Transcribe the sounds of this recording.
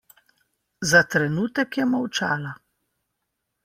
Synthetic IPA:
zat̪ɾɛnuːt̪ɛkjɛmawt͡ʃaːla

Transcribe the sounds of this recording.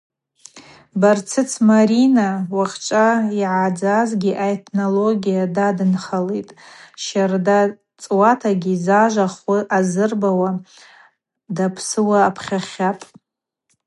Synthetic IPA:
bart͡sʰɨt͡sʰmaɾinawaχʲt͡ʃʷʼaiʕad͡zazɡʲiʔaetʰnoloɡʲijadadɨnχalejtʼʃarda | t͡sʼwatʰaɡʲizaʒʷaχiʔazɨrbawa | dapʰsɨwaːpʰχʲaχʲapʼ

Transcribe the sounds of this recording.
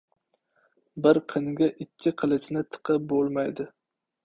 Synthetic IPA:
bɪɾqʰɨŋɡʲaʔɪkʲʰːɪqʰɨlˠɪt͡ʃnɪt̪ʰɨ̥qʰɨp̚bolˠmajd̪ɪ

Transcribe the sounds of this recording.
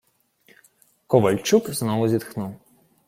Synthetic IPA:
kɔʋɐlʲt͡ʃukznɔʋʊzʲid̪xnuw

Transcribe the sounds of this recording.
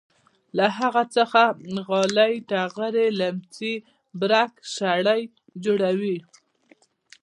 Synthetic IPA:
laɦaɣat͡səxaɣɑlajʈaɣəɾelamt͡si | bɾakʃaɽaj | d͡ʒoɽawi

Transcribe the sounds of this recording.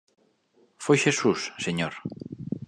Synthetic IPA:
fojʃesusːeɲoɾ

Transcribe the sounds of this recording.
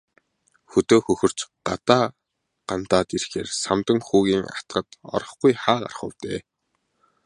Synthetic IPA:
xɵt̪oːxɵxɵ̆r̥t͡ɕɢat̪aː | ɢ̥ant̪aːt̪irxḛːrsamt̪ə̆ŋxuːɣiːŋa̰t̪̆ɢə̆t̪ɔ̰ɾɞ̆χɡujχaːɢa̰rχʊ̰ːwt̪eː

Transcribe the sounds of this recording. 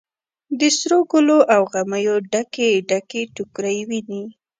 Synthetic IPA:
d̪əsɾoɡʊloʔawɣaməjoɖakeɖakeʈukɾajwini

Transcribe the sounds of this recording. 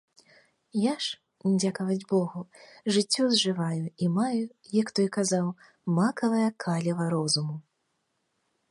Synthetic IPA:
jaʂ | nʲd͡zʲakɐvɐd͡zʲbɔɣuʐɨt͡sʲːɔzʐɨvajuimaju | jakt̪ɔjkazaw | makɐvɐjɐkʰalʲɛvɐɾɔzumu

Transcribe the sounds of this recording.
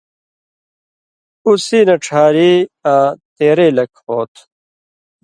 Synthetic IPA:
usiːnɐʈ͡ʂʰaːɾiːaːt̪eːɾeːlɐkhoːt̪ʰ

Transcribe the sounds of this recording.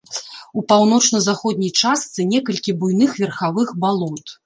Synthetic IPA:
upawnɔt͡ʂnɐzaxɔd̪̚ʲnʲɐjt͡ʂast̪sɨnʲɛkɐlʲkʲibujnɨxvʲɛrxavɨxbalˠɔt̪

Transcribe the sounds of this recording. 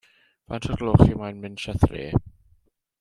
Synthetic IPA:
va̰ntʰəɡlˠoχimajnmɪnʃaθrḛː

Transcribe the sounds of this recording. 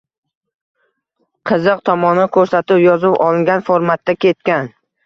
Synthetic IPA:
qʰɨzɨq̚t̪ʰɒmɒnɪkʰɵɾsat̪ɪpjɒzɪpɒlˠɪŋɡʲanfoɾmat̪ːakʲʰe̞t̪̚kʲan

